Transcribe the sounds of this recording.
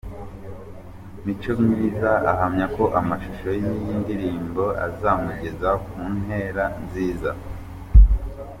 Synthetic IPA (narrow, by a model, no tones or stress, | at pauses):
mit͡ʃomɲiːzaaɦamɲako̞ʔamaʃuʃo̞jimijiːndiɾiːmbo̞a̰zaːmuɟe̞zakuːnɦe̞ɾanziːza